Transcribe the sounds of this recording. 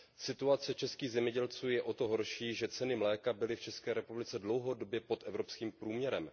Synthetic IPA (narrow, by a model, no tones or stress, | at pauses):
sɪt̪uat͡sɛt͡ʃɛskiːɣzɛmɲɛɟɛlt͡suːjɛʔo̞t̪oɦo̞ɾʃiːʒɛt͡sɛnɪmlɛːkabɪlɪft͡ʃɛskɛːɾɛpublɪt͡sɛdlowɦo̞do̞bjɛpo̞t̪ʔɛvɾo̞pskiːmpɾuːmɲɛɾɛm